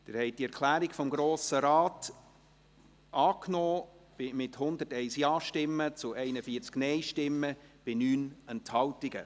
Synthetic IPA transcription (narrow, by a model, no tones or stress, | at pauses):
d̥̪ɪɾhɛɪt̚diɛɾkʰlæːɾiɡfɔmɡɾoːsəɾɑːt | ʔɑːknɔːb̥ɪmɪthʊnd̪ətɛɪsjɑːʃtɪmːət͡sʊʔɛɪnəfiːət͡sknɛɪʃtɪmːəb̥ɪnyːnɛnthɑwtiɡ̥ə̰